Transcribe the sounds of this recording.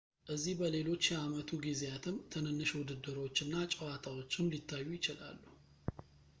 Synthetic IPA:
ʔɨzːihbəle̞lo̞t͡ʃːjɛamət̪ʰuɡizeat̪ʰɨmt̪ʰɨnɨnːɨʃwʊd̪ɨd̪ːɨɾo̞t͡ʃːɨnːat͡ʃʼəwat̪ʰawo̞t͡ʃːɪnlit̪ʰːajːujɪt͡ʃɪla̰lːu

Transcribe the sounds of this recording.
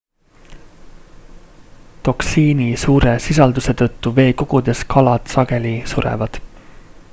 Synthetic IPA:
t̪o̞ksiːnisuːɾe̞sis̬ɑld̪use̞t̪ɤ̞t̪ːuve̞ːko̞ɡ̥ud̪̥e̞skʰɑlɑt̪sɑɡe̞lisuɾḛvɑd̪̥

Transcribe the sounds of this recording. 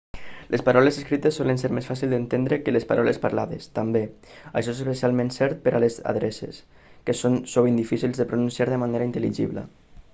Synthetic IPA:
lʔespaɾɔlezəskɾit̪əsːɔlənseɾmesfasilˠd̪ənt̪end̪ɾəkəlespaɾʔɔlespaɾlaðest̪ambe | a̰ə̰ʃɔezes̬esialˠmẽnsɛɾt̪̚pəɾʔaleza̰ðɾɛsḛs | kəsonsoβind̪ifisilˠzðəpɾununsiaɾðəmaneɾaint̪əliʒḭβlə̰

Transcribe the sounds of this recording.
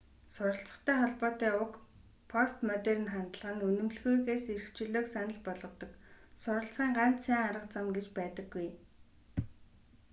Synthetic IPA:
sʊɾə̆ɬt͡sə̥̆χt̪ʰæːχɔɮpɔːt̪æːʊk | pʰɔst̪mœt̪erɘ̆nχant̪ə̆ɮə̆ʁə̆nɵnɵ̆mɮɣujɣeːseɾɘ̆xt͡ɕɵ̆ɮoːksanə̆ɮpɔɮʁɞ̆t̪ɞ̆ksʊɾə̆ɬt͡sχiːŋɢan̥t̪sæːŋaɾə̆qt͡samɡet͡ɕpæːt̪ə̆ɡːuj

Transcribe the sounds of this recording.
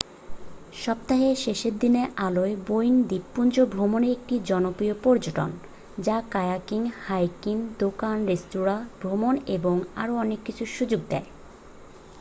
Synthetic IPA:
ʃɔp̚t̪aɦeʃeʃeɾd̪ineʔaloebojnd̪ipːund͡ʑobʱɾomoneɾek̚ʈid͡ʑɔnopɾiopɔɾd͡ʑoʈo̰n | d͡ʑakajakiŋhajkiŋd̪okanɾestuɾabʱɾomoneboŋa̰ɾoɔnekːit͡ɕʰuʃud͡ʑoɡd̪ɛe

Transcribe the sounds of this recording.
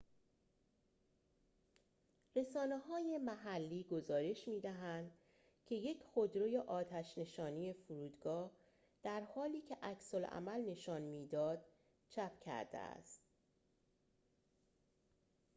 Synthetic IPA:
ɾe̞sɒːneɦɒːje̞mæɦælːiːɡo̞zɒːɾe̞ʃmiːd̪æɦænd̪̥ | cʲʰe̞je̞cʰχo̞d̪ɾoje̞ʔɒːt̪ʰæʃne̞ʃɒːnije̞fuɾuːd̪ɡɒːh | d̪̥æɾhɒːliːcʰe̞ʔæcsolʔæ̰mælne̞ʃɒːnmiːd̪ɒːd̪̥ | t͡ʃʰæpʰcʰæ̰ɾd̪ḛæ̰st̪

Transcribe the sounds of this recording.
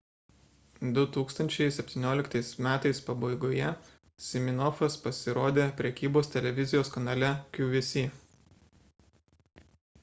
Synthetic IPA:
d̪ʊt̪uːkst̪ɐnʲt͡ʃʲɛɪsʲɛpʲt̪ʲiːnʲoːlʲɪkt̪ɐɪsmʲæːt̪ɐɪspɐbɐɪɡoːjɛ | sʲɪmʲɪnɔfɐspɐsʲɪɾoːd̪ʲeːpʲɾʲɛkʲiːboːst̪ʲɛlʲɛʋʲɪzʲɪjoːskɐnɑːlʲɛkʲuːʋʲɪsʲiː

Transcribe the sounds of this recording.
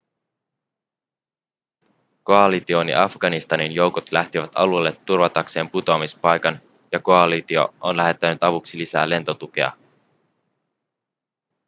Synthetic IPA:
ko̞ɑlit̪io̞nḭʔɑfɡ̥ɑnist̪ɑninjo̞wko̞t̪læht̪iʋæt̪ɑ̰luelːet̪ːurʋɑt̪ɑkse̞ːmput̪o̞ɑmispɑjkɑn | jɑko̞ɑlit̪io̞̰ʔonlæɦe̞t̪ːænyt̪ɑʋuksilisæ̰ːle̞nt̪o̞t̪uk̟e̞̰ɑ̰

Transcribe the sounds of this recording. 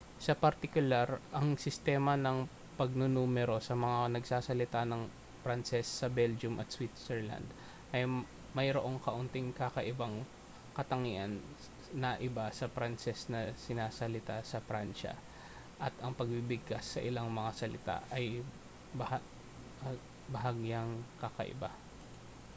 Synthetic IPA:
sɐpɐɾt̪ɪkʊlaɾʔɐŋsɪst̪ɛːmɐnɐŋ | pɐɡ̚nonuːmɛɾo̞sɐmɐŋanɐɡsaːsɐlɪt̪anɐŋ | pɾansɛsːɐbɛld͡ʒʊmʔɐt̪̚swit̪sɛɹla̰nd̪ | ʔɐj | mɐjɾoʔo̞ŋkɐʔʊnt̪ɪŋkakɐʔɪbaŋ | kɐt̪ɐŋiʔɐnː | ɐʔɪbasɐpɾansɛsnɐsɪnaːsɐlɪt̪asɐfɾanʃɐ̰ | ʔɐt̪ɐŋpɐɡ̚bibɪɡ̚kasːɐʔɪlaŋmɐŋasɐlɪt̪a̰ʔɐj | bɐh | bɐɦaɡjaŋkɐkɐ̰ʔɪ̰ba

